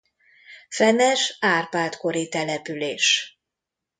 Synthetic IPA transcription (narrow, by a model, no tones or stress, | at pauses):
fɛnɛʃaːrpaːlt̪ko̞ɾit̪ɛlɛpyleːʃ